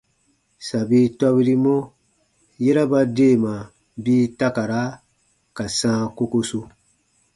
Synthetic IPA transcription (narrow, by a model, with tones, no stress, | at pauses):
sa˨bi˦tɔ˦βi˦ɾi˦mo˦ | je˦ɾa˦ba˦deː˦˨ma˨ | biː˦ta˦ka˨ɾa˨˦ | ka˨sãː˦ko˦ko˦su˧